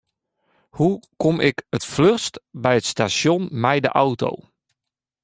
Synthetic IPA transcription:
hukomɪkətflørstbɛjətstasjonmɛjdəʔawto̰w

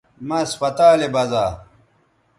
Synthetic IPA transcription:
mɐspɐt̪aːlebɐzaː

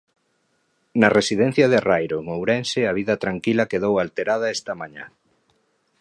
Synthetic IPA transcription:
nɐresiðɛ̃n̟θjɐðerajɾoŋowɾɛnsɪɐβ̞iðɐt̪ɾaŋkilɐkeðowalt̪eɾað̞ɐɛst̪ɐmãɲa̰

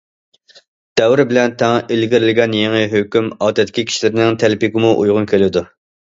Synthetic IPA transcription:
d̪̥ɛwɾɪbɪlɛnt̪ʰɛŋʔilɡʲɪɾɪlɪɡʲɛnjeŋɪɦøkʲymɑːt̪ʰɛt̪ːɪ̥kʲikʲʰi̥ʃilɪɾɪnɪŋt̪ʰælɪpɪɡʲɪmuʔṵjʁʊnkʲʰelɪd̪u

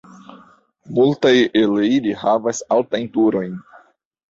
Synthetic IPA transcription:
multajeleilihavasaltajntuɾo̞jn

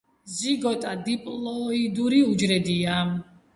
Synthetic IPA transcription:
ziɡɔt̪ʼad̪ipʼlɔid̪uɾiud͡ʒɾɛd̪ia

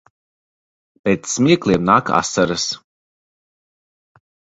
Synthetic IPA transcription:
pʲɛːt̪sːmʲiɛklʲˠiɛmnaːka̰saɾɨs

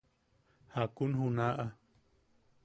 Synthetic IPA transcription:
hakunhunaʔa

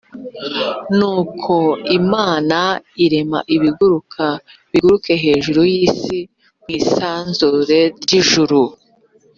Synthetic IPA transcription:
nuːkʰo̞imaːnaiɾe̞ma̰ʔiβiɡuɾukʰa | βiɡuɾuke̞ɦe̞ːʒuɾojiːsi | mŋiːsaːnzuɾe̞ɾɟiʒuɾu

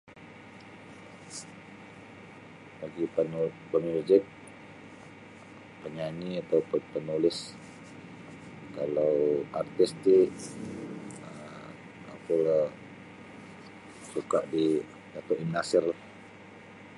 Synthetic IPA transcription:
aɡipnpəmud͡ʒɪk̪̚ | pəɲaniat̪awpʊnpənulɪs | kalawart̪ist̪iʔ | ə | a̰pula | sukaʔdi | dat̪ɔʔimnasɪrlah

